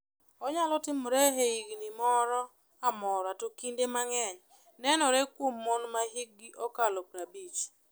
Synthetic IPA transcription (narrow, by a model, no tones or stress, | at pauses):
ɔɲalɔtɪmɔɾeɦeiɡnimɔɾɔ | amɔɾɔatokindemaŋɛɲ | nɛnɔɾɛkwomːonmaɦiɡ̚ɡiʔɔkalɔpɾabit͡ʃ